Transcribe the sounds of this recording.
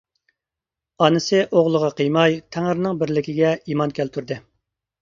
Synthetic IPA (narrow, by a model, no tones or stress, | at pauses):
ɑnɨsɨʔoʁlˠəʁɑqʰəjmɑjt̪ʰæŋɪɾnɪŋbɪɾlɪkʲiɡʲɛimɑnkʲælt̪ʰyɾd̪ɨ